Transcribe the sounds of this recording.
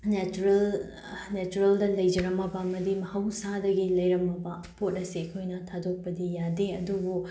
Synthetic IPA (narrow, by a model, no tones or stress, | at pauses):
net͡ʃuɾɐl | net͡ʃuɾɐldɐlɐjd͡ʒɐɾɐmɐbɐːmɐdimɐhɐwsadɐɡilɐjɾɐmɐbɐ | pʰot̚ɐsiɐkʰojnɐtʰadok̚pɐdijadeɐdubu